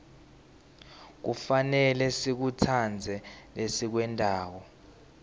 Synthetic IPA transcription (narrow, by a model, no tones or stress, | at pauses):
k̬ufanɛlɛsik̬utʰand͡zʱɛlesik̬wɛntʼaːwɔ